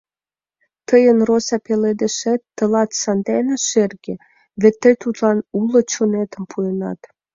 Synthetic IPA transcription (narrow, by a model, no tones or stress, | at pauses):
t̪əjənrosɑpeled̪ĕʃet̪ːə̆lɑt̪sɑnd̪enĕʃerɡĕ | βĕt̪ːĕt̪ut̪lɑnulŏt͡ɕonet̪ə̆mpʰuenɑ̰t̪